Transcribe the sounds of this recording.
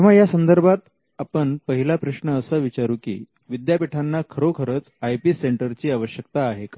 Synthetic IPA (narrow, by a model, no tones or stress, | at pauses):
t̪iʋ̤ajasənd̪əɾbʱat̪ | apəɳpəɦilapɾəʂɳəːsəʋit͡ɕaɾuːkḭː | ʋid̪japiʈʰanːakʰəɾokʰəɾət͡s | ajpiːseɳʈəɾt͡ɕiːaʋəɕjəkt̪aːɦeka